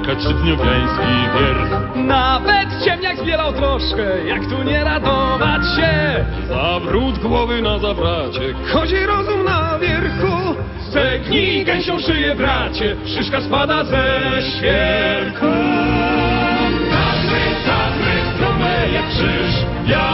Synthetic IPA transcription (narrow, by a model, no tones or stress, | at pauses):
kaʂɛd̪ɲɔvʲjaj̃skʲiɡʲɛɾ | navɛt̪t͡ɕɛmɲaɡzbʲjɛlawt̪ɾɔʂkɛjakt̪uɲɛɾad̪ɔvat͡ɕɕɛ | avɾud̪ɡwɔvɘnazabɾat͡ɕɛ | xɔd͡ʑɛɾɔzumnavʲjɛɾku | t̪ɛɡɲikɛɕɛ̃ʂɨjɛvɾat͡ɕɛpʂɨʂkaspad̪azɛɕfʲjɛŋkʰɔ̃ | t̪akɛt̪akɾɛst̪ɾɔmɛjɛpʂɨʂʲ | ja